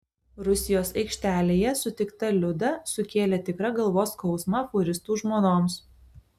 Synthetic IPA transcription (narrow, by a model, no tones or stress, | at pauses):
ɾʊsʲɪjoːsɐɪkʃʲt̪ʲæːlʲeːjɛsʊt̪ʲɪkt̪ɐlʲʊd̪ɐsʊkʲeːlʲɛt̪ʲɪkɾɐɡɐlˠʋoːskɒʊsmɐfʊɾʲɪst̪uːʒmoːnoːms